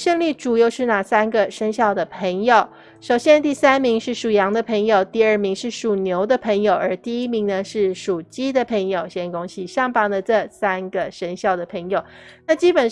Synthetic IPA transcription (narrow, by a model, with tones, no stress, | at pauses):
ʂə˥˧ŋli˥˩ʈ͡ʂu˨˩jo˥˧ʊʂɻ̩˥˧na˥˩sa˥nɡə˨ʂə˥ŋɕjɑ˥˩ʊd̪ə˩pʰə˧˥ŋjo˨˩ʊ | ʂo˨˩ʊɕjɛ˥˧nt̪i˥˩sa˥nmi˧˥ŋʂɻ̩˥˩ʂu˨˩jɑ˧˥ŋd̪ə˧pʰə˧˥ŋjo˨˩ʊt̪i˥˧ə˞˥˩mi˧˥ŋʂɻ̩˥˩ʂu˨˩njo˧˥ʊd̪ə˧pʰə˧˥ŋjo˨˩ʊə˞˧˥t̪i˥˩i˥mi˧˥ŋnə˧ʂɻ̩˥˩ʂu˨˩t͡ɕi˥d̪ə˨pʰə˧˥ŋjo˨ʊɕjɛ˥nkʊ˥ŋɕi˥ɕjɑ˥˩ŋpɑ˥˩ŋd̪ə˨ʈ͡ʂɤ˥˩sa˥nɡə˨ʂə˧˥nɕjɑ˥˩ʊd̪ə˩pʰə˧˥ŋjo˨˩ʊna˥˩t͡ɕi˥pə˨˩n